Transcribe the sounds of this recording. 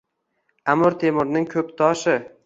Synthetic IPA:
amʊɾt̪ʰemʊɾnɪŋkʰɵp̚t̪ʰɒʃɪ

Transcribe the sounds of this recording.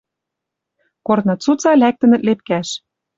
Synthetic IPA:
kornɤ̆t͡sut͡sɑlæk̚t̪ə̆nə̆t̪̚lep̚kæʃ

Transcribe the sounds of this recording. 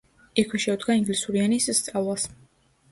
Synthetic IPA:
ɛkʰwɛʃɛud̪ɡaiŋɡlisuɾianisːt̪sʼavlˠas

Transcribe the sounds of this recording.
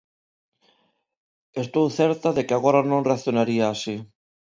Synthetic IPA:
est̪owθɛɾt̪aðekɪaɣoɾanõŋreaθjonaɾiaːsi

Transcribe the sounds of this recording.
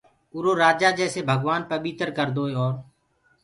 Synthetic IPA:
ʊɾoːɾaːd͡ʒaːd͡ʒɛːseːbʱəɡʋaːnpəɓiːt̪ɾkəɾd̪oːeɔːɾ

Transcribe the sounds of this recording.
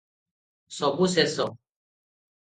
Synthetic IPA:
sɔbusɛsɔ

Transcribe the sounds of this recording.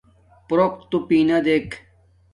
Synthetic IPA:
pɾok̚t̪upiːnɐd̪eːk

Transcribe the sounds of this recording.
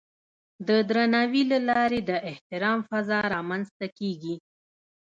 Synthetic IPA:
d̪əd̪ɾanawilalɑɾed̪əʔɪht̪ɪɾɑmfazɑɾɑmanzt̪akeɡi

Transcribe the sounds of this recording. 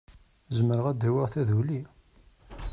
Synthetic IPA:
zəməɾəʁæd̪iwəʁθæðuli

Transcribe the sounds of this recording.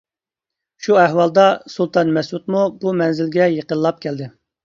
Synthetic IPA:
ʃuɛɦwɑlˠd̪ɑsulˠt̪ʰɑnmɛsut̪mubumɛnzɪlɡʲɛjəqənllˠɑp̚kʲʰɛld̪ɪ

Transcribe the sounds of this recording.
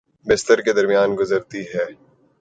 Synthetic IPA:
bɪst̪əɾked̪ɐɾmijaːnɡʊzəɾt̪iɦɛː

